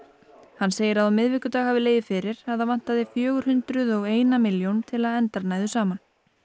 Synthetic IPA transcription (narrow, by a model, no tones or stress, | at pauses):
hanːseːjɪɾaðawmɪðvɪːkʏt̪aːɣhavɪleːjðɪfɪːɾɪɾ̥aðavan̥t̪aðɪfjœːɣʏɾ̥hʏnt̪ɾʏðɔɣeːjnamɪljownt̪ʰɪlaðɛnt̪aɾnaːjðʏsaːman